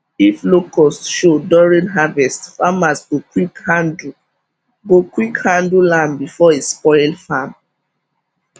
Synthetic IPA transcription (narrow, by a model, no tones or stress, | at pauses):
iflokɔsʃodɔɹĩnɦavɛstfamasɡokwikhãndl̩ | ɡokwikhãndllãmbifɔespɔɪlfam